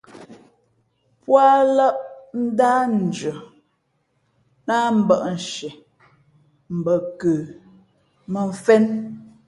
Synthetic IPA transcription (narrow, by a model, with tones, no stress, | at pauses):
pwa˦lə˦ʔn̩˦daː˦n̩˨d͡ʒə˨ | na˦m̩˦˨bə˦˨ʔn̩˨ʃɛ˨ | m̩˨bə˨kə˨ | mə˨ɱ̩˦fɛ˦n